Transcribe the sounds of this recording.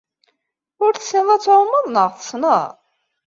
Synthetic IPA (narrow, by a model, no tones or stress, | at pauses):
ʊɾθə̥sɪðˤæt͡sːɾomːəðˤnəʁθə̥snəð